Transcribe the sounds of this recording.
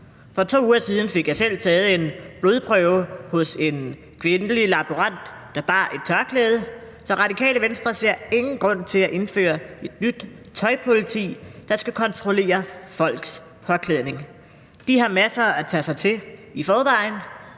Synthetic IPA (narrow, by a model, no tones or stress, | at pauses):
fɒ̽t͡sʰo̝̰ːuːɐsiːð̞ˠn̩fe̝ɡ̥jɑ̈ɪsel̰t͡sʰɛːð̞̩ˠəe̝nb̥lo̝ð̞ˠpʰʁœʊhɔ̽se̝n | kʰʋe̝nəlilɑ̈b̥uʁɑn̰d̥ːɑ̈b̥ɑ̰̈ːʔe̝d̥̚t͡sʰɶɐkʰlɛːð̞ˠə | sɒ̽ʁɑ̈d̥ikʰɛ̰ːləʋensd̥ʁɐse̝ɐ̰e̝ŋn̩ɡ̥ʁɔ̽n̰t͡sʰe̝læʔe̝nfø̰ːɐe̝d̥nyd̥ | t͡sʰɒ̽ɪpʰo̝lit͡sʰḭːd̥ɑ̈sɡ̥ækʰɒ̽nt͡sʰʁole̝̰ːɐfɒ̽l̰ɡ̥s | pʰɒ̽kʰlɛðˠne̝ŋ | d̥iɦɑ̈mæsɐæt͡sʰɛsɑ̈ɪt͡sʰe̝lifɒːʋɑ̈ɪn